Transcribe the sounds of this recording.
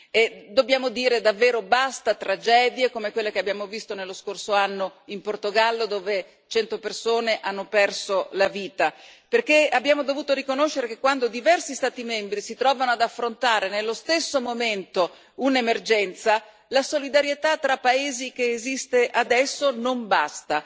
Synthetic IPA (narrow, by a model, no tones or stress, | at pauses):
ed̪objaːmod̪iːɾed̪avːeːɾobast̪at̪ɾad͡ʒɛːd̪jekomekwelːekeabjaːmovist̪onelːoskorsoanːoimport̪oɡalːod̪oːve | t͡ʃɛnt̪opersoːneʔanːopɛrsolaviːt̪aperk̟eabːjaːmod̪ovuːt̪oɾikonoʃːeɾekekːwand̪od̪ivɛrsist̪aːt̪imembɾisit̪ɾɔːvanoad̪afːɾont̪aːɾenelːost̪esːomoment̪o | unemerd͡ʒɛnt̪sa | lasolid̪aɾjet̪at̪ːɾapːaeːzik̟eːzist̪eʔad̪ɛsːonombast̪a